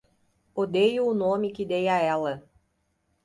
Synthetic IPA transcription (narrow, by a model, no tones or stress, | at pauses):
od̪ejuʊnomikid̪ejaɛlˠɐ